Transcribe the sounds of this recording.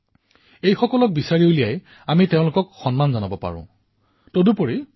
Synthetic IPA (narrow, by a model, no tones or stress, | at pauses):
ejxɔkɔlɔk̚bisaɹiolijaj | amiteʊ̃lʊkɔkxɔnmanzanabɔpa̰ɹʊ̰̃ | todupoɹi